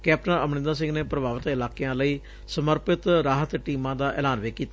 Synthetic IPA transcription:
kɛːp̚ʈənəmnɪ̃nd̪aːs̬ɪ̃ŋɡneːpɾəbaːʋət̪ɪlaːkeãːləiː | səməɾpɪt̪ɾaːɦət̪ʈiːmãːd̪aːʔɛ̰ːlaːnʋeːkiːt̪a

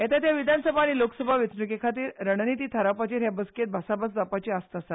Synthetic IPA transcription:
ɦet̪at̪jaʋid̪ʱansəbʱaːɽ̃ilokəsəbʱaʋit͡snəkekʰat̪̬iːɾɾəɽnit̪iːt̪ʰəɾapat͡ɕiːɾɦjabəsket̪̚bʱasabəsd̪apat͡ɕiːast̪asa

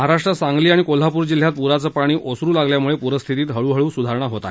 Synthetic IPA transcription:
əɦaɾaʂʈɾəsaŋɡliːaɽ̃ikol̤apuːɾd͡ʑil̤ːjat̪̚puɾat͡səːpaɽ̃iːʔosɾuːlaɡljamuɭepuɾəst̪ʰit̪iːt̪ɦəɭuːɦəɭuːsud̪ʱaɾɳ̃aɦot̪a

